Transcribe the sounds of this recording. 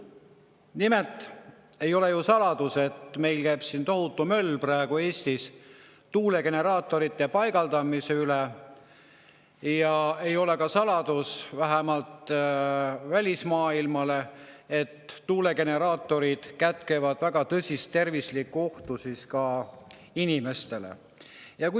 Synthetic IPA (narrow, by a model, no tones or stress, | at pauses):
nime̞lt̪ˑ | e̞jo̞lejusɑlɑd̪̥use̞t̪me̞jlkæːb̥sint̪o̞ɦut̪ːˑumø̞lːprɑeɡ̥ue̞ːst̪is | t̪uːle̞ke̞ne̞ɾɑːt̪ːˑo̞ɾit̪ːˑepɑjɡɑld̪ɑmise̞yle | jɑe̞jo̞le̞kɑsɑlɑd̪̥usvæɦemɑlt̪ | vælʲismɑːilmɑle̞et̪ːuːle̞ke̞ne̞ɾɑːt̪ːˑo̞ɾid̪̥kæt̪ke̞vɑd̪væɡɑt̪ɤsʲist̪ːe̞rvislikːˑuo̞ht̪usiskɑ | inime̞st̪e̞lḛ | jɑku